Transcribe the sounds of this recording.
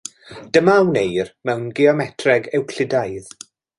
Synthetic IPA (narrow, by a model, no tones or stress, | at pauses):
d̥əmawnejrmɛwnɡɪɔmɛtʰrɛɡɛwkʰlɪdajð